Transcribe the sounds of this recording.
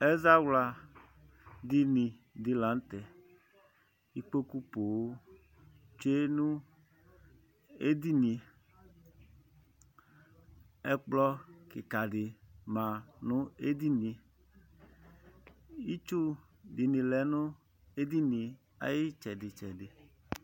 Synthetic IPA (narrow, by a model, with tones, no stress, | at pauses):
ɛ˦za˦wla˨ | di˦nĩ˨ | dɪ˨lã˨˦n˦t̪ɛ˨ | i˦k͡po˦ku˦po˨w | t͡ʃe˦nũ˦ | e˦di˦nĩ˧ | ɛ˦k͡plɔ˦kɪ˨ka˨dɪ˨mã˨nʊ̃˦e˦di˦nĩ˨ | i˦t͡ʃu˦ | di˨nĩ˨lɛ˨˦nʊ̃˦ | e˦di˦nĩ˨ | a̰˨jɪ˦t͡ʃɛ˨dɪ˨t͡ʃɛ˨dɪ˨